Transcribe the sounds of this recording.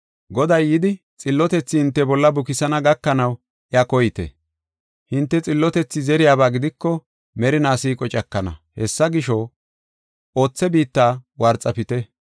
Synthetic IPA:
ɡɔd̪ɐjːɪd̪ɪ | t͡sʼɪlːɔt̪ɛt͡sːɪhɪnt̪ːɛbɔlːɐbʊkɪsɐnɐɡɐkːɐnɐw | ʔɪɐkɔjɪt̪ɛ̰ | hɪnt̪ːɛt͡sʼɪlːɔt̪ɛt͡sːɪzɛɾɪjaːbaːɡɪd̪ɪkːɔ | mɛɾɪnaːsiːkʼɔt͡ʃʼɐkːɐnɐ̰hɛsːɐɡɪʃɔ | ʔo̞ːt͡sːɛbiːt̪ːaːwɐɾt͡sʼːɐpɪt̪ɛ

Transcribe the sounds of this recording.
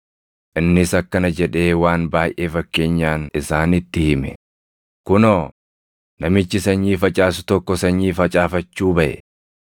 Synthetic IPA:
ʔɪnːɪsɐkːɐnɐd͡ʒɛᶑe̞ːwaːnbaːjʔe̞ːfɐkːe̞ːɲːaːnɪsaːnɪt̪ːɪhɪmɛ | kʊnoː | nɐmɪt͡ʃːɪsɐɲːiːfɐt͡ʃʼaːsʊ̥t̪ɔkːɔsɐɲːiːfɐt͡ʃʼaːfɐt͡ʃːuːbɐʔɛ̰

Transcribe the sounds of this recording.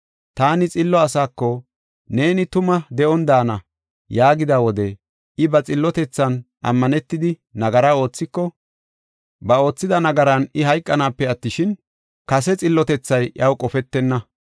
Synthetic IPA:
t̪aːnɪt͡sʼɪlːɔɐsaːkːɔ | ne̞ːnɪt̪ʊmɐd̪ɛʔɔnd̪aːnɐ | jaːɡɪd̪awɔd̪ɛ | ɪbɐt͡sʼɪlːɔt̪ɛt͡sːɐn | ʔɐ̰mːɐnɛt̪ːɪd̪ɪ | nɐɡɐɾao̞ːt͡sːɪkːɔ | bɐo̞ːt͡sːɪd̪ɐnɐɡɐɾɐnɪɦɐjkʼːɐnaːpːɛɐt̪ːɪʃɪn | kɐs̬ɛt͡sʼɪlːɔt̪ɛt͡sːɐjʔɐwkʼɔfɛt̪ːɛnːɐ

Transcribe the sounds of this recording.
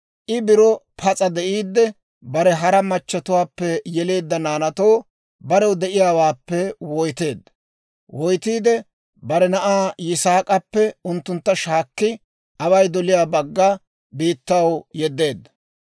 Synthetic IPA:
ʔɪbɪɾɔpʰɐt͡sʼɐd̪ɛʔiːd̪ːɛ | bɐɾɛɦɐɾɐmɐt͡ʃːɐt̪ʊwaːpːɛjɛle̞ːd̪ːɐnaːnɐt̪oː | bɐɾɛwd̪ɛʔɪjaːwaːpːɛwɔjt̪e̞ːd̪ːɐ | wɔjt̪iːd̪ɛ | bɐɾɛnɐʔaːjɪsaːkʼɐpːɛʊnt̪ːʊnt̪ːɐʃaːkːɪ | ʔɐwɐjd̪ɔlɪjaːbɐɡːaː | biːt̪ːɐwjɛd̪ːe̞ːd̪ːɐ̥

